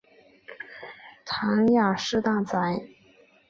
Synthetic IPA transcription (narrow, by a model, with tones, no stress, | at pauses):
t̪ʰa˧˥ŋja˨˩ʂɻ̩˥˧t̪a˥˩t͡sa˧˥ɪ